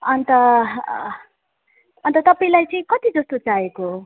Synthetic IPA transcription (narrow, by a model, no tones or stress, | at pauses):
ʌnt̪ʌ | ʌnt̪ʌt̪ʌpaĩlajt͡sʌĩkʌt̪id͡zʌst̪ot͡saeko